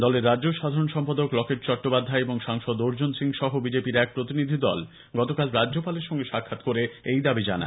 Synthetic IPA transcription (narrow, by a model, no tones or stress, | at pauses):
d̪ɔleɾːadʑoʃad̪ʱaɾonʃɔmpad̪oklɔkeʈ̚t͡ɕɔʈːopad̪ʱːaeeboŋʃaŋʃɔd̪oɾd͡ʑonsiŋʃɔɦobid͡ʑepiɾɛk̚pɾot̪inid̪ʱid̪ɔl | ɡɔt̪okalɾad͡ʑːʑopaleɾʃɔŋɡeʃakʰːat̪koɾeejd̪abid͡ʑa̰na̰